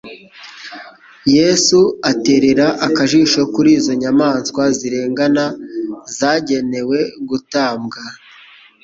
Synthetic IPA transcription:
je̞suate̞ɾe̞ɾaʔakaʒiːʃo̞kuɾiːzo̞ɲamaːnskwaziɾe̞ːŋɡanazaːɟe̞ne̞we̞ɡutaːmɡa

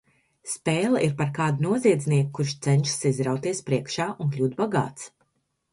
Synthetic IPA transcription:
speːlˠɐʔiɾpaɾkaːd̪unuɔziɛd̪zniɛk̚kuɾʃt̪sɛnʃsizɾawt̪iɛspɾiɛkʃaːʔuŋkʎʲuːt̪̚baɡa̰ːt̪s

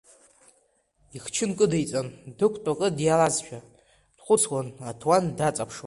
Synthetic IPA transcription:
iχt͡ʃʰɪnkʼɨdajt͡sʼandɨkʷʰʼtʼakʼɨdjalazʃᶣʰa | d̥χʷʊt͡sʰwanatʰwandat͡sʼapʰʂwa

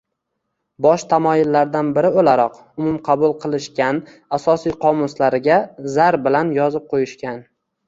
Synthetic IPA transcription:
bɒʃt̪ʰamɒjɪlːaɾd̪anbɪɾɪolaɾɒq | ʊmʊmqʰɑbʊlˠqʰɨlˠɪʃkʲan | asɒsijqʰɒmʊslaɾɪɡʲazaɾbɪlanjɒzɪp̚qʰojɪʃkʲan

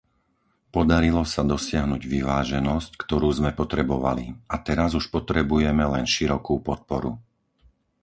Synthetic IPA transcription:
pɔd̪aɾilɔsad̪ɔsɪaɦnuɟʋiʋaːʒɛnɔsckt̪ɔɾuːzmɛpɔt̪ɾɛbɔʋa̰liʔat̪ɛɾazuʃpɔt̪ɾɛbujɛmɛlɛnʃiɾɔkuːpɔt̪̚pɔɾṵ

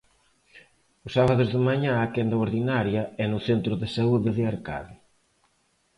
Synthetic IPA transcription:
ʊsaβaðʊzðɪmaɲãakend̪ɐoɾðinaɾjɐɛnʊθent̪ɾʊðɪsauðɪðɪaɾka̰ðɪ

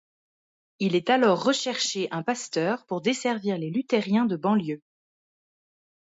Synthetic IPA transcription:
ilɛt̪alɔʁːəʃɛʁʃeʔɛ̃past̪œːʁpuʁd̪esɛʁviʁlelyt̪eʁjɛ̃d̪əbɑ̃ljø

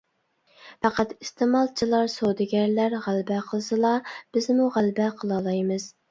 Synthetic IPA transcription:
pæqæt̪ist̪emɑlˠt͡ʃʰilˠɑɾsod̪ɪɡʲæɾlæɾʁælbæqʰəlˠɨsɨlˠɑb̥ɪzmuʁælbɛqʰəlˠɑlˠɑjmɨz̥

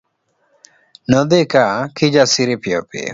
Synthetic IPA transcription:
nɔd̪ekakid͡ʒasiɾipijɔ̰pḛ

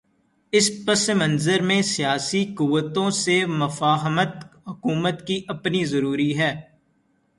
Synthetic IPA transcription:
ɪspəsemɐ̃nzəɾmẽsijaːsikʊʋːət̪õsemʊfaːɦmət̪ɦʊkuːmət̪kiʔɐpnizɐɾuːɾiɦɛː

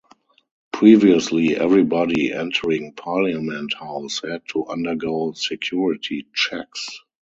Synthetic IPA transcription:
pʰɹiːviəsliʔɛ̰vɹibɔdiʔɛ̰̃ntʰəɹɪ̃ŋpʰaljamɛ̃nthaʊshɛd̚tʰuʔãndəɡoʊsɛkʰj̥uɹɪtʰit͡ʃɛks

